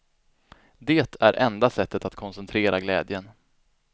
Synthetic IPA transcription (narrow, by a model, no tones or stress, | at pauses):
d̪eːt̪ʰæɾʔɛnd̪asɛt̪ːət̪at̪kʰɔnsɛnt̪ʰɾeːɾaɡlɛ̰ːd̪jən